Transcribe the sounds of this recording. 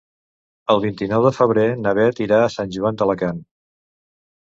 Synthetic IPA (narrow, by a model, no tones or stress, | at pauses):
əlˠβint̪inɔwðəfəβ̞ɾenəβ̞ɛt̪iɾaəsanʲʒuant̪ələkan